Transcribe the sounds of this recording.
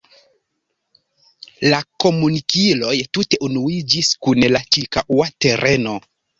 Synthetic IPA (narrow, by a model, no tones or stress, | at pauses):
lako̞munikilo̞jtute̞ʔunuid͡ʒiskunlat͡ʃikaʔuate̞ɾʔe̞no̞